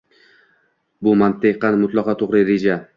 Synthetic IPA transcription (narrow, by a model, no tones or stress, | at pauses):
bʊmant̪ʰɪqːɑnmʊt̪lˠɒqɒt̪ʰoʁɾɪɾed͡ʒa